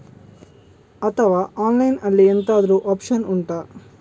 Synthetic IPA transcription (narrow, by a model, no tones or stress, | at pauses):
ɐt̪ʰɐʋaːʔaːnlɐjnɐlːient̪aːd̪ɐɾuːʔaːpʂɐnuɳʈaː